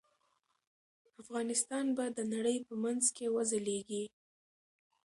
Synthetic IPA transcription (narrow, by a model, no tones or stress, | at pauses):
afɣɑnɪst̪ɑnbad̪ənaɽəjpəmanzkewazaleɡi